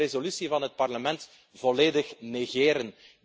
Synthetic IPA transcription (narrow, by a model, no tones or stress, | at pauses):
ezolysivɑnɦət̚pɑrləmɛnt | v̥ɔleːdəxneɣeːɾən